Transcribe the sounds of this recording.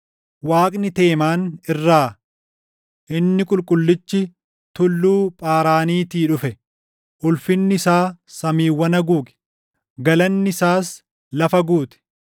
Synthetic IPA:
waːkʼnɪt̪eːmaːnɪrːaː | ʔɪnːɪkʼʊlkʼʊlːɪt͡ʃːɪ | t̪ʊlːuːpʼaːɾaːniːt̪iːᶑʊfɛ | ʔʊlfɪnːɪɪsaːsɐmiːwːɐnɐɡuːkʼɛ̥ | ɡɐlɐnːɪɪsaːs | lɐfɐɡuːt̪ɪ̥

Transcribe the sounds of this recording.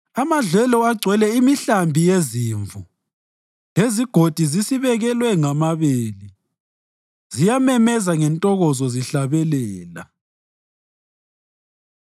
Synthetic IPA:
amaɮɛlɔaɡ͡ǀʱwɛlɛimiɬambʱijeziɱvu | leziɡ̥ʱod̥ʱizisiβɛɣɛlwɛŋamaβeːli | zijamɛmɛzaŋɛntʼɔɣɔzɔziɬaβɛlɛːla̰

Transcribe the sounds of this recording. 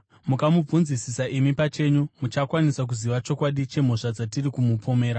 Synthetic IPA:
mukamub͡vunzisisaʔimipat͡ʃe̞ːɲumut͡ʃakwanisak̬uziʋat͡ʃo̞kwaɗit͡ʃe̞m̤o̞ʂad͡zatirikumupo̞me̞ːɾa

